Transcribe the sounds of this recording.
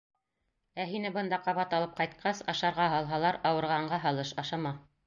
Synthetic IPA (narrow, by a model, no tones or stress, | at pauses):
æɦinɘbɤ̆nd̪ɑqɑβɑt̪ɑlˠɤp̚qɑjt̪̚qɑsɑʃɑɾʁɑɦɑlˠɦɑlˠɑɾɑwɤ̆ɾʁɑɴɢɑɦɑlˠɤʃɑʃɑmɑ